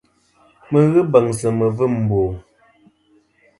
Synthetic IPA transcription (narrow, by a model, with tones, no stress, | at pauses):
mə˨ɣɨ˦bə˨ŋsə˨mə˨vɨ˦˨m̩˨boː˨